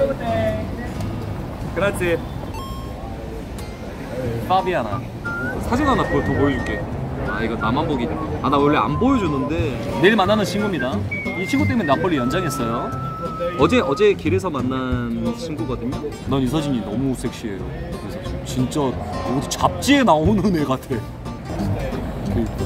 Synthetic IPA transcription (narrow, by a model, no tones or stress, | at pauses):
kɯɾat͡ɕʰe | p͈abiana̰ | sʰad͡ʑʌnɦanakɯɾʌtʰʌmojʌd͡ʑuk͈e̞aiɡʌnamanboɡianawʌɭːea̰nbojʌd͡ʑunːɯnde̞ | neɭmanːanɯnt͡ɕʰinɡumɲida | it͡ɕʰiŋɡut̬͈emunenap͈ʌɭːijʌnd͡ʑaŋɦes͈ʌjo | ʌd͡ʑe̞ʌd͡ʑe̞kiɾes̬ʰʌmanːant͡ɕʰinɡuɡadɯɲo | nanjus̬ʰʌd͡ʑiɲinʌmusʰe̞k̚ɕ͈ie̞ɾo̰kkɯɾesʰʌt͡ɕint͡ɕ͈aʌɡtʰot͡ɕap̚t͡ɕ͈ie̞naonɯneɡatʰe̞ | kɯke